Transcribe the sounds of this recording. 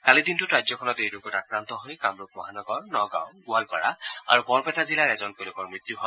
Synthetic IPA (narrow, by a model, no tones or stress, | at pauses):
kalidintʊɹajzɔkʰɔnɔtejdʊkotakɹant̪ɔɦojkamɹʊk̚mɔɦanɔɡɔɹnɔɡa̰w̃ɡualpa̰ɹa̰a̰ɹupɔɹpɛtazilaɹɛzɔnkolʊkɔɹmɹit̪juhɔj